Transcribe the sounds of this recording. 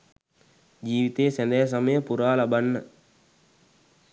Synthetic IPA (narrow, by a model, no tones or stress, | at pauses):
d͡ʒiːʋit̪eːsɐnd̪eɦɐs̬ɐməjəpuɾaːlɐbɐnːə